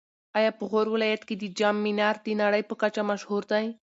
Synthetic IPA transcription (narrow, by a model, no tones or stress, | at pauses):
ɑjɑpəɣoɾwɪlɑjat̪ked̪əd͡ʒamːinɑɾd̪ənaɽəjpəkat͡ʃamaʃhuɾd̪aj